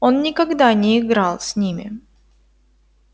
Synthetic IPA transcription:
onːʲɪkɐɡd̪anʲɪːɡɾalˠsʲnʲimʲɪ̰

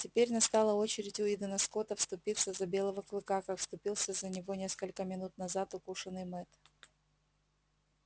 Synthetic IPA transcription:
tʲɪpʲeɾʲnɐst̪alˠəo̞t͡ɕɪɾʲɪtʲʊɪd̪ənɐsko̞t̪əfst̪ʊpʲilˠsʲəzɐbʲe̞lˠəvəklˠɨkakakfst̪ʊpʲilˠsʲəzənʲɪvo̞nʲe̞skəlʲkəmʲɪnut̪̚nɐzat̪ʊkuʂənːɨjmɛt̪

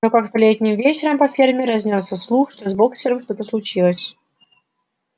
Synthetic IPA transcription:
nokakt̪lʲet̪ʲnʲɪmvʲet͡ɕɪɾəmpɐfʲirmʲɪɾɐzʲnʲot̪sːəfslˠuxʂt̪ozʲboksʲɪɾəmʂt̪ot̪əslˠʊt͡ɕilˠəsʲ

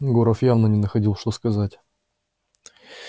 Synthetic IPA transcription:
ɡoɾəfjavnənʲɪnəxɐdʲilˠʂt̪oskɐzatʲ

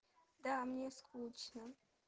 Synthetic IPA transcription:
d̪aːmɲʲeskʰuːt͡ʃna

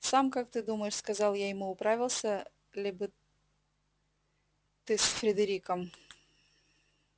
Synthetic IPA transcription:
samkak̚t̪ɨd̪uməjɪʂskɐzɑlˠjajɪmuʊpɾavʲɪlˠsʲə | lʲibɨ | t̪ɨsfɾʲɪd̪əɾʲikəm

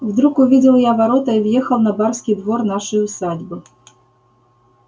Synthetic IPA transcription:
wd̪ɾukuvʲid͡zʲɛwˠjavaɾɔt̪ɐivjɛxɐwnɐbarsʲkʲid̪vɔrnaʂɐjusad͡zʲbɨ

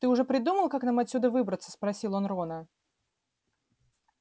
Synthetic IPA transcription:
t̪ɨʊʐɛpɾʲɪd̪uməlˠkaknamɐt̪ʲsʲud̪əvɨbɾət̪sːə̥spɾɐsʲilˠonronə

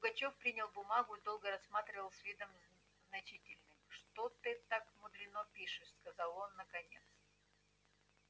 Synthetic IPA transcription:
k̪ʊɡɐt͡ɕofpɾʲinʲɪlˠbʊmaɡʊɪd̪o̞lˠɡəɾɐsːmat̪ɾʲɪvəlˠsʲvʲid̪əm | znɐt͡ɕitʲɪlʲnɨmʂt̪ot̪ɨt̪akmʊd̪lʲɪnopʲiʂɨʂskɐzalˠo̞nːəkɐnʲe̞̰t̪s

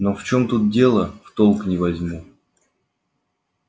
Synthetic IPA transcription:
noft͡ɕo̞mt̪ut̪̚dʲe̞lˠəft̪olˠknʲɪvɐzʲmu

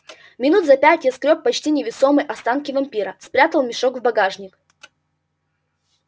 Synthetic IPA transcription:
mʲɪnut̪zɐpʲætʲjɐskɾʲop̚pːɐt͡ɕtʲinʲɪvʲɪsomɨjʔɐst̪ankʲɪvɐmʲpʲiɾəspɾʲat̪əlˠmʲɪʂoɡvbɐɡaʐnʲɪk

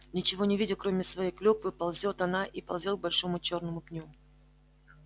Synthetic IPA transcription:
nʲɪt͡ɕɪvo̞nʲɪvʲidʲɪkɾo̞mʲɪsvɐjejklʲupɨpɐlˠzʲot̪ɐnaʔipɐlˠzʲel̚bɐlʲʂo̞mʊt͡ɕo̞rnəmʊpnʲu

